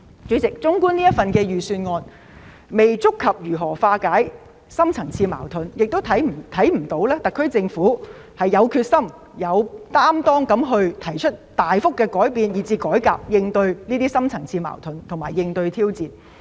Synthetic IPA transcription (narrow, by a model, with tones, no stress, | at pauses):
t͡ʃyː˨˥t͡sɪ˨k̚t͡sʊ˥ŋkuː˥niː˥t̚fɐ˨nkɛː˧jyː˨syː˧nŋɔː˧n | me˨jt͡sʊ˥kʰːɐ˨p̚jyː˨˩ɦɔː˨˩faː˧kaː˨˥j | sɐ˥mt͡sʰɐ˨˩ŋt͡sʰiː˧ma̰ː˨˩wt̪ʰɵ˨˧njɪ˨k̚t̪o˥wt̪ʰɐ˨˥jt̪ʰɐ˨˥jm̩˨˩t̪o˨˥wlɛː˥t̪ɐ˨kʰːɵ˥ɥt͡sɪ˧ŋfuː˨˥ | hɐ˨jːɐ˨˧wkʰyː˧t̚sɐ˥m | jɐ˨˧wt̪aː˥mt̪ɔː˥ŋkɐ˨˥mɦɵ˧ɥt̪ʰɐ˨˩jt͡ʃʰɵ˥t̚t̪aː˨jfʊ˥kːɛː˧kɔː˨˥jpiː˨˧njiː˨˩t͡siː˧kɔː˨˥jkaː˧p̚jɪ˧ŋt̪ɵ˧ɥniː˥t̪iː˥sɐ˥mt͡sʰɐ˨˩ŋt͡sʰiː˧ma̰ː˨˩wt̪ʰɵ˨nt̪ʰŋmaː˨˩jːɪ˧ŋt̪ɵ˧ɥt̪ʰiː˥wt͡siː˨n